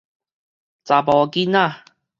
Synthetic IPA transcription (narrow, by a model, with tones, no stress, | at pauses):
t͡sa˨˩pɔ˨˧ki˦na˥˧˨